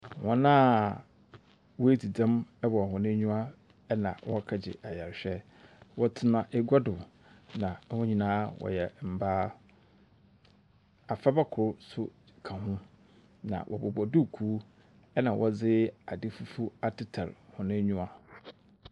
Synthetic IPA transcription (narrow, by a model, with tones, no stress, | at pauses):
wɔ̃˦nã˦ | wɔ˦e˦di˨dã˦mɛ˦bɔ˨hʊ̃˨nɪ̃˦ɲũ˦a˦ | nã̰˨wɔ˦kʰa˨d͡ʑɪ̰˨ʔa˨ja˨ɾɕᶣɛ˦ | wɔ˦tʰɪ˦nã˦ʔɛ˦ɡa˦dʊ˨ | nã˨˦hʊ̃˦ɲĩ˨nãː˦wɔ̰˨jɛ˨m̩˨baː˦ | a˨fa˦ba˦kʰʊ˨ɾsʊ˦ | kʰã˨hʊ̃˦ | nã̰˨wʔɔ̰˨bɔ˨bɔ˨dʊ˦˨kʰuː˦ | ɛ˦nã˨wʔɔ˦d͡zɪ˦a˨dɪ˦fu˦fu˦a˦tɪ˦tʰa̰˨ɾhʊ̃˨nɪ̃˦ɲũ˦a˦